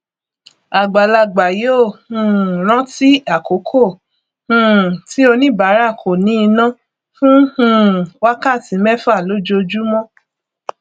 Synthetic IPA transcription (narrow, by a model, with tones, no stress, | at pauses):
a˨ɡ͡ba˨la˧ɡ͡ba˨jo˦˨hũ˧˨ɾ̃ã˦ti˦a˦˨ko˨˦kʰo˦˨ | hũ˦˨ti˦o˧nĩ˦ba˨˦ɾa˦˨kʰo˨nĩ˨˦i˧nã˦ | fũ˦hũ˦˧˨wa˦ka˦˨tĩ˨˦mɛ˦fa˦˨lo˨˦d͡ʒo˧d͡ʒu˦mɔ̃˦